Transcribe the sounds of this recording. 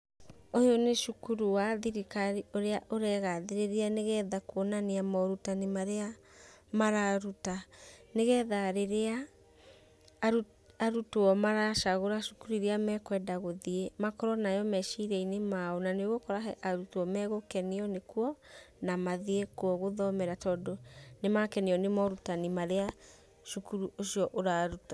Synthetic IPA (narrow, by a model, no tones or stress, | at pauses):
ojoneʃukuɾuaðiɾikaɾioɾeaʔoɾɛɣaðeɾeɾeaneɣɛðakwɔnaneamɔɾutanemaɾea | maɾaɾutaneɣɛðaɾeɾea | aɾutoɔmaɾaʃaɣoɾaʃukuɾiɾeamɛkwɛdaɣoðiemakɔɾɔnajɔmɛʃiɾɛinemaɔnaneɣokɔɾaɦɛʔaɾutoɔmɛɣokɛniɔnekuɔ | namaðiekwɔɣoðɔmɛɾatɔːdonemakɛniɔnemɔɾutanimaɾea | ʃukuɾuʔoɕiɔʔoɾaɾuta